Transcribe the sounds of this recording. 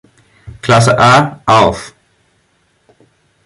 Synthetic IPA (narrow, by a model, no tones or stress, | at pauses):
kʰlasəʔaʔalf